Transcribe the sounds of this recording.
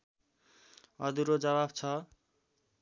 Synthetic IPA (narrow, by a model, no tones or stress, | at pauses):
ʌd̪uɾod͡zʌβabt͡sʰʌ